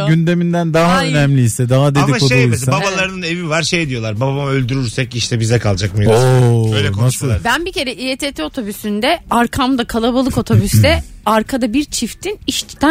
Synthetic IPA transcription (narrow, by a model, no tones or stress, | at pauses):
ɟynd̪emind̪ænd̪aɦaønæmlʲiːsɛd̪aɦad̪edikod̪uisababalˠaɾɯnɯne̞vivaɾʃe̞jd̪ijo̞lˠaɾbabbamɯø̞lʲd̪yɾyɾsɛciʃt̪ʰɛbizd̪ɛkʰalˠd͡ʒakmɯjoøjlɛknoaʃsɯlˠabænbice̞ɾɛʔiet̪ʰet̪ʰeo̞t̪ʰobysynd̪ɛaɾkʰamd̪akʰalˠabalˠɯko̞t̪ʰobysd̪ɛaɾkʰad̪abiɾt͡ʃʰift̪ʰiniʃt̪ʰt̪